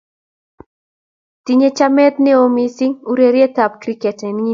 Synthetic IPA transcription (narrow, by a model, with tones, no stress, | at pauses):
t̪iɲe˦t͡ʃa˦mɛ˦t̪nɪ˦omisi˦ŋu˦ɾe˨ɾje˦t̪a˨p̚kɾikɛ˨tɛ˨ni